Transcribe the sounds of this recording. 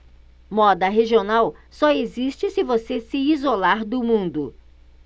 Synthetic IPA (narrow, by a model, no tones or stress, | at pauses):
mɔd̪ɐɦeʒionawsɔezist͡ʃɪsɪvosesɪizolaɾd̪ʊmũnd̪ʊ